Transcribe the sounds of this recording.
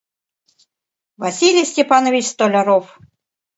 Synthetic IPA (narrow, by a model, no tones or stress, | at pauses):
vɐsʲilʲijsʲtʲepanovʲit͡ɕst̪olʲaɾof